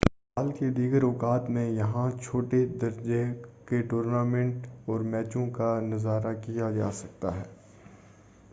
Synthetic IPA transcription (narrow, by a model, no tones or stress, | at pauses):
aːlked̪iːɡəɾɔːkaːt̪mẽjɐɦãt͡ʃʰoːʈed̪ɐɾd͡ʒekeʈoːɾnaːmɛ̃ɳʈɔːɾmɛːt͡ʃõkanɐzaːɾakijad͡ʒaːsɐk̚t̪a̰ɦɛː